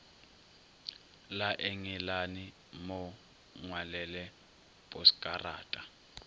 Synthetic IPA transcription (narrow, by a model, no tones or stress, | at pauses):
laʔɛŋɛlani | mɔ | ŋwalɛlɛ | pʼɔskʼara̰ːtʼa